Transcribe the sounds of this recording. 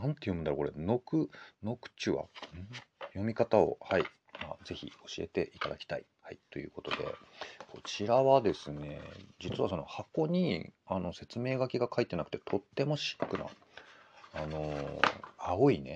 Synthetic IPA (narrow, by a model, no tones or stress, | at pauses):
nãnt̪ːe̞jomɯ̟naɾokoɾe̞no̞kɯ̟no̞kɯ̥t͡ɕɨβa̰ɯ̟̃ɴjo̞mʲikat̪ao̞̰hai | maːd͡ze̞çʲḭo̞ɕie̞̰t̪e̞ʔit̪ad̪a̰kʲi̥t̪a̰ḭ | hait̪o̞jɯ̟ːko̞t̪o̞d̪e̞̰kʰo̞t͡ɕiɾaβad̪e̞sɨne̞̰d͡ʑit͡sɨβaso̞no̞̰hako̞ɲ̟iano̞se̞t͡sɨme̞ːɡakʲiɡakʰait̪ːe̞nakɯ̟̥t̪e̞t̪ʰo̞t̪ːe̞mo̞ɕi̥kːɯ̟na̰ | ano̞ | aoine̞̰